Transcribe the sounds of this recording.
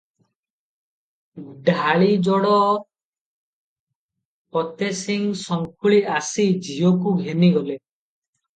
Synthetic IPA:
ɖʱaɭid͡ʒɔɽɔ | pɔt̪esiŋsɔŋkʰuɭiʔasid͡ʒijɔk̬uɡʱeniɡɔle

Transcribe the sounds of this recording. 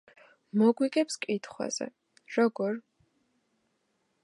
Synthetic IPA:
mɔɡwiɡʼɛpskʼit̪ʰχwa̰z̥ɛ̰ | ɾɔɡɔɾ

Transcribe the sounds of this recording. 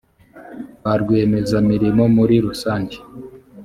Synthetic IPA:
βaɾɡweːme̞zamiɾimo̞muɾiɾusaːɲɟe

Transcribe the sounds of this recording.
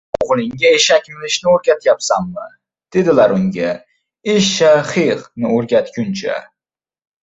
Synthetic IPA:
ʊʁlɪŋɡʲaeʃakʲmɪlɪʃnɪoɾɡʲat̪ʰjapsamːɪ | d̪̥e̞d̪ɪlaɾʊŋɡʲa | ɪʃːaχiqnɪoɾɡʲat̪kʲʊnt͡ʃʰa̰

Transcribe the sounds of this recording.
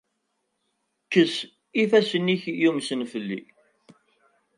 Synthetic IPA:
kːəs | ifæsəniçjumsənfəlːḭ

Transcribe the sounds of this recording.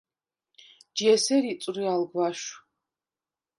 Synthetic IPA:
d͡ʒiɛsɛɾit͡ssʼɾialɡwaʃ

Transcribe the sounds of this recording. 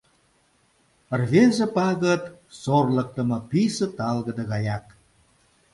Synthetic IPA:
ərβezĕpɑɣət̪sorlək̚t̪ə̆mɤ̆pisə̆t̪ɑlɣəd̪əɣɑjɑk

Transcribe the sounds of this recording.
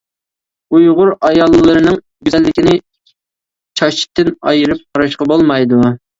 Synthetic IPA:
ujʁʊɾɑjɑlˠːɨlˠɨɾɨnɨŋ | bʲyzɛlːɪkʲinɪ | t͡ʃʰɑt͡ʃʰi̥t̪ːɨnɑ̰jɨɾɨp̚qʰɑɾɑʃqɑbolˠmɑjd̪u

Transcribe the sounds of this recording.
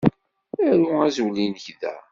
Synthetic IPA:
æɾuæzwlinəçðæ̰

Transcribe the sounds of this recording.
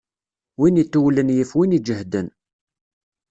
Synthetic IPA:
winit̪ːuwlənjəfwinid͡ʒəhd̪ən

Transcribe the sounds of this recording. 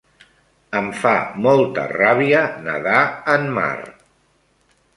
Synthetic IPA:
əɱfamɔlˠt̪ə̰raβiənəðaəmma̰r

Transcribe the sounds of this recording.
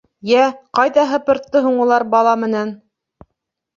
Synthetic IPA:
jæqɑjðɑɦɤpɤ̆ɾt̪ːɤɦuɴulˠɑɾbɑlˠɑmɘ̆næn

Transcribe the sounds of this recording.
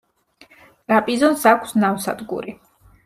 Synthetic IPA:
t̪ʼɾapʼizɔnsakʷʰsnamsa̰d̪ɡṵɾi

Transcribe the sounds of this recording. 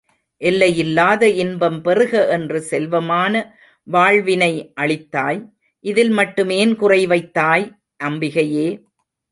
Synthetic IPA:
ʔɛlːɐjɪlːaːðɐɪnbɐmpɛrɯɣɐʔɛndrɯsɛlʋɐmaːnɐ | ʋaːɻʋɪnɐɪʔɐɭɪt̪ːaːj | ʔɪðɪlmɐʈːɯmeːnkʊrɐɪʋɐɪt̪ːaːj | ʔɐmbɪɣɐjeː

